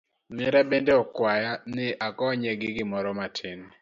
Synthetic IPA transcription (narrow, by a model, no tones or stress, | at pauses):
mɛɾabendeɔkwajanɪʔakɔːɲɛɡɪɡɪmɔɾɔmatʰin